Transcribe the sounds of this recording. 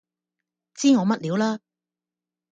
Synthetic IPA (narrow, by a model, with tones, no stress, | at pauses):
t͡siː˥ŋɔː˨˧mɐ˥t̚liː˨˧wlaː˥